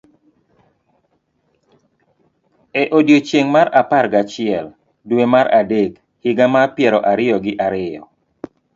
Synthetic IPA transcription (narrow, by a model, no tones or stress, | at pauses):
ɛʔodjot͡ʃeŋmaɾaparɡat͡ʃɪɛl | dwemaɾadek | hɪɡamapjɛɾɔʔaɾɪɔɡɪʔaɾɪjɔ